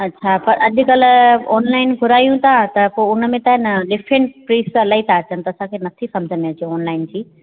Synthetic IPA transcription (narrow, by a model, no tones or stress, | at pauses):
ɐtːɕʰapɐɾɐʄʊ̆kɐlɔːnlaːɪnɡʱʊɾaːijũt̪ʰat̪ɐpoʊnmẽt̪aːɦɪnɐɗɪfɾẽɳʈpɾiːsɐlaːit̪ʰaːt͡ɕənɪ̆t̪ɐsãkʰeːnɐt̪ʰisɐ̃md͡ʑʱənmɪt͡ɕijõɔːnlaːɪnd͡ʑiː